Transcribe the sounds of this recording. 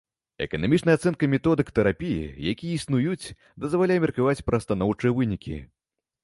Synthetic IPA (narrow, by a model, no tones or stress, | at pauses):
ɛ̰kɐnamʲit͡ʂnɐjat̪sɛnkɐmʲɛt̪ɔd̪ɨkt̪ɛɾapʲijḭjakʲijɐisnujut͡sʲ | d̪ɐzvalʲajɛmʲɛrkavat͡sʲpɾɐst̪anɔwt͡ʂɨjɛvɨnʲikʲḭ